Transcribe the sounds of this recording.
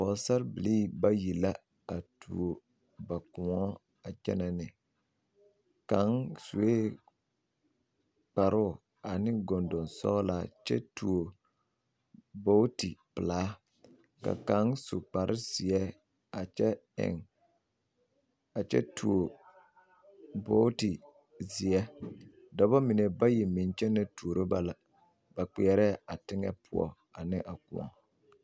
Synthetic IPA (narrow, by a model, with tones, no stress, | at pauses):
pɔ˨sa˦ɾbɪ˨liː˦˨ba˦ji˨la˦ | a˨tʰu˨o˨ | ba˨kʊ˨ŋɔ˦ | a˨t͡ʃɛ̰˦nɛ˨nɪ˨ | ka˨˦ŋsu˨e˦ | k͡pa˨ɾʊ˦˨ | a˨nɪ˦ɡɔ˨ndɔ˨nsɔ̰˦la˨t͡ʃɛ̰˦tu˨o˨ | bo˦ti˨pɨ˨laː˦ | ka̰˨ka˨˦ŋsʊ̰˨k͡pa˨ɾʔɪ˦sɪ˨ɛ˦ | a˨ɛ˦ɪ̰˨ŋ | a˨t͡ʃɛ̰˦tʰu˨o˨ | bo˦ti˨ | zi˨ɛ˦ | dɔ˨ba˦mɪ˨ne˨ba˦ji˨mɪ˨nt͡ʃɛ˦nɛ˦tu˨o˨ɾo˦ba˦la˨ | ba˨k͡pi˨ɛ˨ɾɛ˦a˨tɪ˦ŋɛ̰˦pʰʊ˨ɔ̰˨ | a˨nɪ˦ʔa˨ku˨ɔ̰˨ŋ